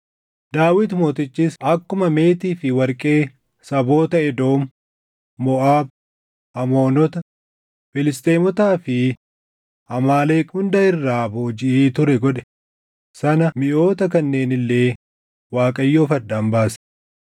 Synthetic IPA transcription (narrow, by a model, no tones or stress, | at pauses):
d̪aːwɪt̪mo̞ːt̪ɪt͡ʃːisɐkːʊmɐme̞ːt̪iːfɪwɐɾkʼe̞ː | sɐbo̞ːt̪ɐɛd̪o̞ːmː | ɔʔaːb̚ | ɐmo̞ːnɔt̪ɐ | fɪlɪst̪eːmɔt̪aːfɪ | ɐmaːleːkʊnd̪ɐɪrːaːboːd͡ʒɪʔiːt̪ʊɾɛɡɔᶑɛ̥ | sɐnɐmɪʔo̞ːt̪ɐkɐnːe̞ːnɪlːe̞ː | waːkʼɐjːoːfɐd̪ːaːmbaːs